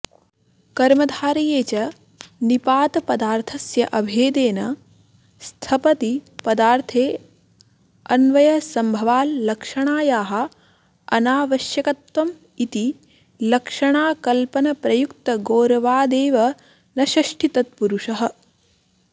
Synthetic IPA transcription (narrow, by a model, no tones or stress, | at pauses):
kɐɾmɐd̪ʱaːɾɐjeːt͡ʃɐ | nipaːt̪ɐpɐd̪aːɾt̪ʰɐsjɐʔɐbʱeːd̪eːnɐ | st̪ʰɐpɐt̪ipɐd̪aːɾt̪ʰeː | ɐnʋɐjɐsɐmbʱɐʋaːlːɐkʂɐɳaːjaːɦɐ̆ | ɐnaːʋɐʃjɐkɐt̪ʋɐm | it̪i | lɐkʂɐɳaːkɐlpɐnɐpɾɐjukt̪ɐɡoːɾɐʋaːd̪eːʋɐ | nɐʃɐʃʈʰit̪ɐt̪̚puɾuʂɐɦɐ̆